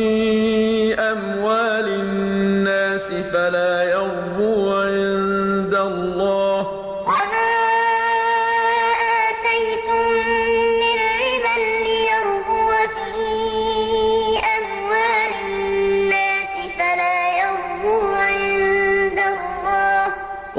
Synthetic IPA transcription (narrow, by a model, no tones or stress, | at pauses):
i | ʔam | waːlɪnːaːsɪfalaːjɑɾˤ | buːʕɪnd̪alːɑːh | ʔamaː | ʔaːt̪ajt̪ʊmː | ɪnɾɪbalːɪjɑɾˤbuːfiː | ʔamwaːlɪnːaːsɪfalaːjɑɾˤbuːʕɪɪnd̪alˤːɑːh